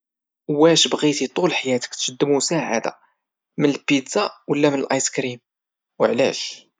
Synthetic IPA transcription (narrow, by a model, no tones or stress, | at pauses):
wːæʃbɣit̪it̪ˤulħajæt̪ə̥kt̪ʃəd̪ːəmusaʕa̰d̪a̰ | mənəlpid̪zawəlːæmənəlʔɑjskɾim | wəʕlæ̰ʃ